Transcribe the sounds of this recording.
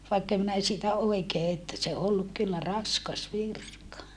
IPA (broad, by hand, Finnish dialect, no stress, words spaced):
ʋɑikːem minæ siːtæ oikeː etːæ se o olːuk kylːæ rɑskɑs ʋirkɑ